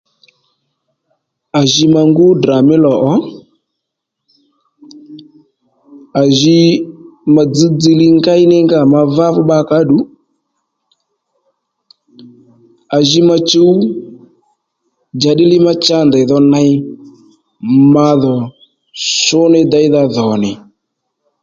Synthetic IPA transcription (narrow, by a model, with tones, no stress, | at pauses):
a˨ʒi˧ma˧ŋɡu˦dra˨mɪ˦lɔ˨ʔɔ˦ | a˨ʒi˧ | ma˧d͡zi˦d͡zi˧lɪ˦ŋɡa˦ɪ˦nɪ˦ŋɡa˦˨ma˧va˦vʊ˦ɓa˧ka˦ɗu˨˦ | a˨ʒi˦ma˧t͡ʃe˦u˦ | d͡ʒa˨ɗɪ˦lɪ˦ma˦t͡ʃa˦nda˨ðɔ˧na˧ɪ˦ | ma˧ðɔ˨ | sʊ˦nɪ˦d̪a˨jða˧ðɔ˨nɪ˨